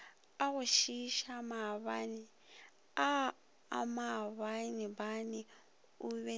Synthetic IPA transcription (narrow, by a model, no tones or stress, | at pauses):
aɣuʃiʃamaβani | a | a̰maβanibani | uβɛ